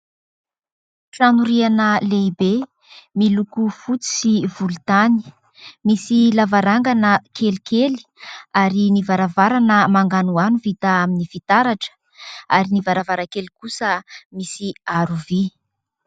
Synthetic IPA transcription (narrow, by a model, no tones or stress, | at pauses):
ʈ͡ʂanuɾianəlebe | milukufut͡si̥sivult̪ani̥ | misilavaɾaŋɡanəkʰelikeli̥aɾinivaɾavaɾanəmaŋɡanuanuvit̪aaminifit̪aɾaʈ͡ʂə̥ | aɾinivaɾavaɾakelikusəmisiaɾuvi